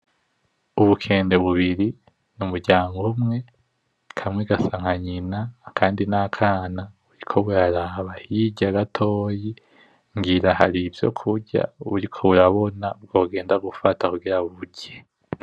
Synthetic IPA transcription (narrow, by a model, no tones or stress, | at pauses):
uβukʰe̞ːnde̞βuβiɾi | numuɾɟaːŋɡumŋe̞ | kʰamŋeɡasaŋ̥haɲinaːkʰaːndinakʰaːna | uɾikʰo̞βuɾaɾaːβahiɟaɡatʰo̞ːji | ŋɡiɾaha̰ɾivjo̞̰kʰuɾɟa̰uɾikʰo̞βuɾaβo̞nab̚ɡoːɡe̞ːndaɡufatakuɡiɾaβuβuɟe